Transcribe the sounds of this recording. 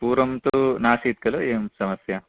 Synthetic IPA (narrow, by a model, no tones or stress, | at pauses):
puːɾɐmt̪unaːsit̪̚kɐloeːmsɐmɐsjɐ